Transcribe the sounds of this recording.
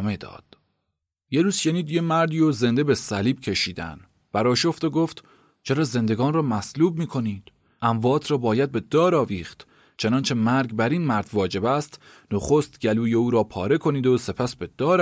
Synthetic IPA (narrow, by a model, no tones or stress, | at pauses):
med̪ɒ̰ːd̪̥ | jeɾuːz̥ʃe̞niːd̪je̞mæɾd̪iːoze̞nd̪e̞be̞sæliːb̥cʰe̞ʃiːd̪æ̰n | b̥æɾɒːʃo̞ft̪oɡo̞ft̪ | t͡ʃʰeɾɒːze̞nd̪e̞ɡɒːnrɒːmæsluːb̚miːkʰo̞niːd̪̥ | ʔæɱvɒːt̪ʰɾɒːbɒːjæd̪̚be̞d̪ɒːɾɒːviːxt̪ | t͡ʃʰe̞nɒːnt͡ʃʰe̞mæɾɡbæɾinmæɾd̪̥vɒːd͡ʒe̞bæst̪ | no̞χost̪ɟæluːjeuːɾɒːpʰɒːɾe̞kʰo̞niːd̪ose̞pʰæsbe̞d̪̥ɒːɾ